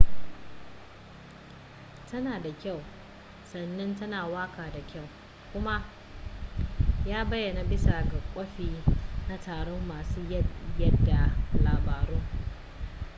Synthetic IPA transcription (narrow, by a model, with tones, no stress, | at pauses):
tɐ˦naː˨da˨kʲa˦˨w | sɐ˨nːɐ˦ntɐ˦naː˨waː˦kaː˨da˨kʲa˦˨w | kʷʊ˦ma˦ | jaː˦bɐ˦jːɐ˨na˨bɪ˦sa˨ɡɐ˨kʷʼɐ˦ɸiː˨na˦tʰaː˨ɽɔ˦mːaː˨suː˦jɐ˦jɐ˦dːa˨laː˨baː˨ɾuː˦